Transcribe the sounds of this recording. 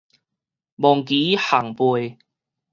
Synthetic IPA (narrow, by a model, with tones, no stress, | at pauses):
mɔ˨˩ŋkiː˨˦ha˨˩ŋpu˨˩j